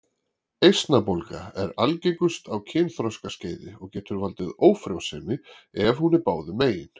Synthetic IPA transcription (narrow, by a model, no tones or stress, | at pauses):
ejst̪napolka̰ɛɾalcejkʏst̪ʰawcʰɛːnθɾɔskasceːjðɪɔɣcɛːt̪ʏɾvalt̪ɪðoːwfɾawsɛːmɪ | ɛvhunɪɾpaːwðʏmeːjɪn